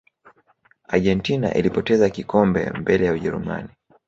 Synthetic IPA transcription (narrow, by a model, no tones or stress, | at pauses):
aʄɛntina̰ʔilipɔtɛzakikɔmbɛ̰mbɛlɛjauʄɛɾṵma̰ni